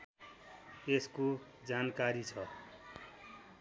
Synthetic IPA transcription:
esko | d͡zankaɾit͡sʰʌ

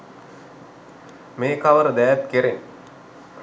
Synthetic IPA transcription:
meːkaʋəɾəd̪æjæt̪keɾen

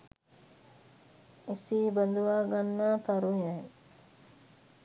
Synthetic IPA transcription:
esiːbɐnd̪uʋaːɡanːaːt̪aɾuɦaŋ

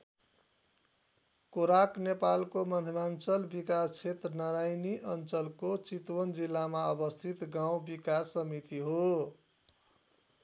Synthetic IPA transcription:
koɾaknepalkomʌd̪ʱimant͡sʌlbikast͡sʰet̪rʌnaɾajniʔʌnt͡sʌlkot͡sit̪wʌnd͡zilːamaʌbʌst̪ʰit̪ɡaw̃bikasːʌmit̪iɦo

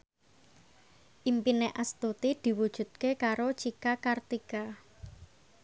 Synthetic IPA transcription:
ʔimpineʔast̪ut̪id̪̥i̤wud̥ʒ̥ṳt̪̚kekaɾot͡ʃikakart̪ika

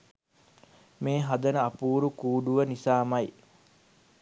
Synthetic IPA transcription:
meːɦad̪ənəɐpuːɾukuːɖuʋənisaːmɐj

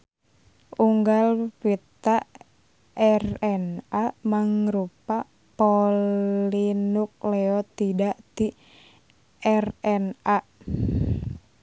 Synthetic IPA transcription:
uŋɡalpit̪aʔ | ɛrɛnamaŋɾupa | polinuk̚lɛɔt̪idaʔt̪i | ʔɛrɛna

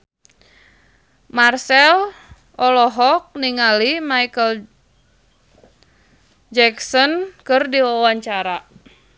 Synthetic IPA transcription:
marsɛl | ʔɔlɔɦɔk̚niŋalimaikəl | d͡ʒɛksɔnkɨrdiwawaɲt͡ʃaɾa

